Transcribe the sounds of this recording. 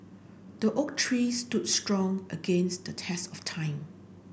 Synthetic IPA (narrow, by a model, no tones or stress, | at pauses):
d̥əʔok̚tʰɹistudstɹɔ̃ŋʔəɡẽnstdətʰɛsɔftʰãɪ̃m